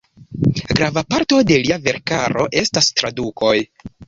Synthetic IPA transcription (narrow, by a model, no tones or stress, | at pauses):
ɡɾavapaɾto̞de̞liave̞ɾkaɾo̞ʔe̞stastɾadukʰo̞j